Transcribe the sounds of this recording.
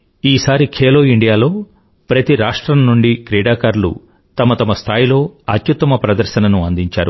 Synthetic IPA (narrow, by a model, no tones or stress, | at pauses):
iːsaːɾikʰeːloːiɳɖijaːlo̞ː | pɾɐt̪iɾaːʂʈɾɐmnuɳɖikɾiːɽaːkaɾlṵ | t̪ɐmɐt̪ɐmɐst̪ʰaːjilo̞ːɐt̪jut̪ːɐmɐpɾɐd̪ɐɾʃɐnɐnuɐnd̪iɲt͡ʃa̰ːɾṵ